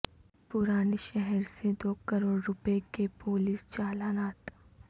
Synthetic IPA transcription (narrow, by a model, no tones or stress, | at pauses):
pʊɾaːneʃɛɦɛɾsed̪oːkɐɾoːɽɾʊpekepoːliːst͡ʃaːlaːnaːt̪